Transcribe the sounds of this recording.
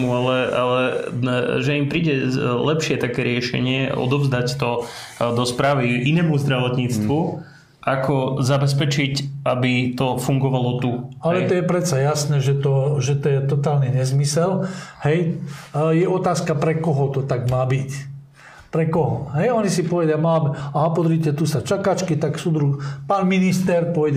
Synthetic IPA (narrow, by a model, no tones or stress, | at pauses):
ualɛalɛ | ʒɛimpɾiːɟɛlɛpʃɪɛt̪akɛːɾɪɛʃɛ̰ɲɪɛɔ̰d̪ɔvzd̪act̪ɔ | d̪ɔspɾaːʋiʔinɛːmuzd̪ɾɛʋɔt̪ɲiːt͡st̪ʋu | ʔakɔzabɛs̬pɛt͡ʃicʔabit̪ɔfuŋɡɔʋalɔt̪ualɛt̪ɔjɛpɾɛt͡sajasnɛːʒɛt̪ɔʒɛt̪ɔjɛt̪ɔt̪aːlniɲɛzmisɛlhɛj | jɛʔɔt̪aːskapɾɛkɔɦɔt̪ɔt̪aɡmaːbic | pɾɛkɔɦɔɦɛjɔɲisipɔʋɛdamalabiaɦapɔd̪ɾiːcɛt̪usat͡ʃakat͡ʃkit̪aksud̪ɾuxpanminist̪ɛɾpɔʋɛɟ